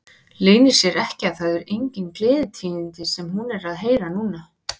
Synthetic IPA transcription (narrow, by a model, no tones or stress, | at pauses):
leːnɪɾ̥sjɛɾɛhcɪaθaðʏɾejɲcɪnklɪːðɪt̪ʰiːnɪnt̪ɪsɛmɦunɛɾaðɦeːjɾanuːna